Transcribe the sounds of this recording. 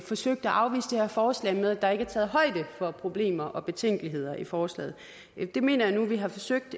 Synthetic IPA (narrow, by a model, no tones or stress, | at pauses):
fɒ̽søɡ̥̚d̥æʔɑ̈ʊʋḭːsd̥ehæɐfɒːslɛ̰ɪmeð̞ˠæd̥ɑ̈e̝ɡ̥æɐt͡sʰɛːð̞̩ˠɦɒ̽ɪ̰d̥əfɒ̽pʰʁo̝b̥le̝̰ːmɐʔɒ̽b̥e̝t͡sʰeŋ̰ɡ̥əliɦe̝ð̞̰ˠɐʔifɒːslɛ̰ːð̩ˠ | d̥e̝me̝̰ːnɐjɑ̈nuʋiɦɑ̈fɒ̽søɡ̥̚d̥